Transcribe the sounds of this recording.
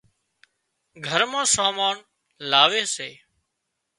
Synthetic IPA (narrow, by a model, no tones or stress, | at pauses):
ɡʱəɾmãːsaːmaːn | laːʋeːseː